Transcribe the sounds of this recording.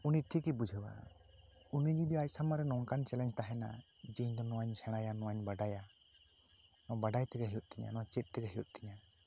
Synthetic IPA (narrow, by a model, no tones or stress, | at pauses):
uniʈʰikibud͡ʒʱəwa̰ | unid͡ʒud̪iajsamaɾɛnɔŋkant͡ʃɛlɛ̃nd͡ʒt̪aɦɛna̰d͡ʒɛɲd̪ɔnɔwaɲsʰɛɽ̃ajanɔwaɲbaɖaja | nɔ̃baɖajt̪ɛɡaɦiut̪̚ˀt̪ʰiɲa̰nɔwat͡ʃɛt̪̚ˀt̪ɛɡaɦijut̪̚ˀt̪ʰiɲa